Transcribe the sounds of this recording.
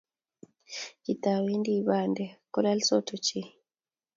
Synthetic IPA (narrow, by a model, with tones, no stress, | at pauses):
ki˨ta˨wi˦ndi˨βa˦˨nde˨ko˦la˦lso˦tu˨t͡ʃi˦